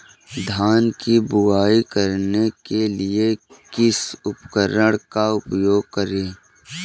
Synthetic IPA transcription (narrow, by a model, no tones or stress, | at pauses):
d̪ʱaːnkibʊaːikəɾnekelɪekɪsʊpkəɾəɽ̃kaʊpjoːɡ̚kəɾẽː